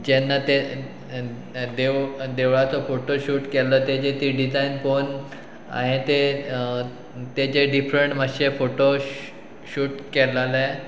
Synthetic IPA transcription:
d͡ʑɛnːat̪e | d̪ed̪eʋɭat͡sɔfoʈoɕuːʈkɛləːt̪ed͡ʑet̪iɖid͡zainfon | a̰ɦẽt̪e | t̪ed͡ʑeɖifɾəɳʈməɕefoʈo | ɕuːʈkɛlale

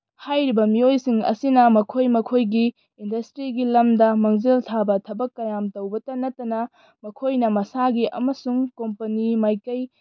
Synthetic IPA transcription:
hajɾibɐmiojsiŋɐ̰sinɐmɐkʰojmɐkʰojɡiː | ndɐstɾiɡilɐmdɐmɐŋziltʰabɐtʰɐbɐkːɐjamtɐwbɐtɐnɐtːɐnɐ | mɐkʰojnɐmɐsaɡiʔɐ̰mɐsuŋkompɐnimajkɐj

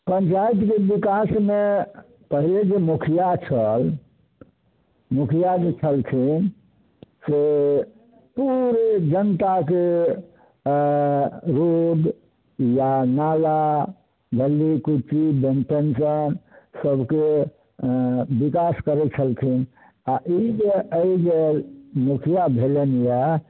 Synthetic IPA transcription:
pəɲt͡ʃait̪kebikasme | pəɦiled͡ʒemukʰijat͡ʃʰəl | mukʰijad͡ʒet͡ʃʰəlk̪ʰin | se | puɾed͡ʒənt̪ake | ɾod̪ | janala | ɡ̪ʱəlːikut͡ʃibenpensənsəbke | bikaskəɾɛt͡ʃʰəlk̪ʰin | aʔid͡ʒeəid͡ʒelmukʰijabʱelenjɛ

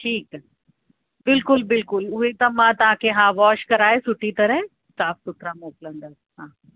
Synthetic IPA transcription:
ʈʰiːk | bɪlkʊlbɪlkʊlʊɦet̪ɐ̃mãt̪ɐʋ̤ãkʰeɦãːʋɔːʃkɐɾaːɦesʊʈʰːit̪ɐɾɛ̃ | saːfsʊt̪ʰɾamoːklə̃ɳd̪əɾɦãː

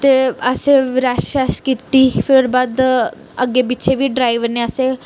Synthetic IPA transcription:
t̪eəseɾaaskit̪ifʰɪɾoɾbaːd̪ | əɡebɪtːt͡ʃʰeʋʱiɖɾaːɪʋəɾneəse

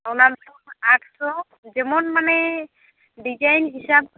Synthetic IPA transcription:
awnab | maʈʰsɔ | zɛmɔnmanɛ | ɖizajnɦisab̚

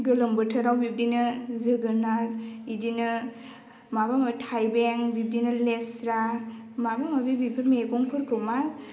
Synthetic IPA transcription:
ɡɯlɯmbɯtʰɯɾawbip̚dinɯzɯɡɯnaɾidinɯ | mabamatʰajbeŋbip̚dinɯlesɾa | mabamabibipʰɯmeɡɔŋpʰɯɾkʰɯma

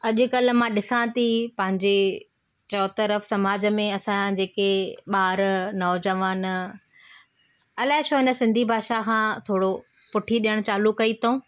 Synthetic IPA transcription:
ɐʄʊ̆kɐlmãɗɪsãt̪ʰipɐ̃ɦɪ̃ɲd͡ʑe | t͡ɕɔːt̪əɾəfsɐmaːd͡ʑə̆mẽɐsãd͡ʑeːkeɓaːɾnɔːd͡ʑəʋaːn | ɐlaːɦɪʃoɦɪnə̆sɪ̃nd̪ʱibʱaːʃakʰãːt̪ʰoːɽo | pʊʈʰiɗijəɽ̃t͡ɕaːlukɐit̪ʰõː

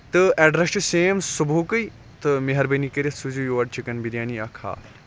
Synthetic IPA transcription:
t̪ɨɛɖɾɐsʈɨseːmsubukɨj | t̪ɨmeɦɐɾbɐnikɐɾɐsud͡ʒujoːɐɖ̚t͡ʃʰikɐnbiɾjaːniakʰa̰ː

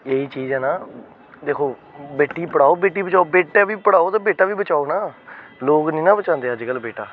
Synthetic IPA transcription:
eːiːt͡ʃiːzɛːnaː | d̪eːkʰoːbeːʈːiːpəɽaːoːbeːʈːiːbət͡ʃaːobeːʈjaːʋiːpəɽaːoːt̪ãːbeːʈaːʋiːbət͡ʃaːoːnaːloːknĩːnãːbət͡ʃãːnd̪eːəd͡ʒkəlbeːʈaː

